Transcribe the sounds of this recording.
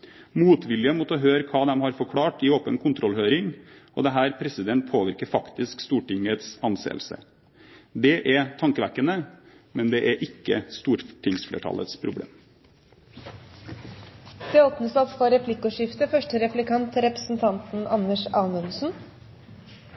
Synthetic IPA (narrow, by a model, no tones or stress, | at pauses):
muːt̪ʋɪljəmut̪ɔɦøːɾəkʰɑːd̪ɛmhɑɾfɔɾkʰɽɑːʈɪoːpənkʰʊnt̪ʰɾɔlhøːɾɪŋɔ̰d̪ɛɦæːɾpʰɾɛsɪd̪ɛnt̪̚pʰoːʋɪɾkəɾfɑkt̪ɪskst̪uːʈɪŋət̪sɑnsḛːlsə̰ | d̪ɛʔɛt̪ʰɑŋkəʋæ̰kːənə | mɛnd̪ɛʔæɾʔɪkːəst̪uːɾʈʰɪŋsflḛːʈʰɑ̰lə̰t̪spʰɾʊblḛːm | d̪̥ɛoːpnəsɑt̪fɔɾɛpʰlɪkːʊʂɪft̪əfœʂʈəɾɛflɪkʰɑnt̪ɾɛpɾəsn̩t̪ʰɑnt̪n̩ɑnːəʂɑːnʉnsn̩